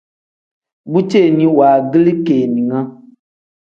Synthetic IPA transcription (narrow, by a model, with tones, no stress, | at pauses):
bu˦t͡ʃe˦˨nĩ˦waː˨ɡi˦li˦keː˨nĩ˨ŋã˦